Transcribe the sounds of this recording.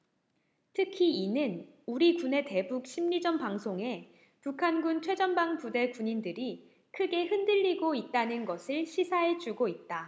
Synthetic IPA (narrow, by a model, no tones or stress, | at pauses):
tʰɯkʰiinɯn | uɾikune̞te̞buk̚ɕʰimɲid͡ʑʌnpaŋsʰoŋe̞ | pukʰanɡunt͡ɕʰwe̞d͡ʑʌnbaŋpude̞kuɲindɯɾi | kʰɯɡe̞hɯndɯʎːiɡoit̚t͈anɯnɡʌsʰɯɭɕʰisʰaɦe̞d͡ʑuɡoit̚t͈a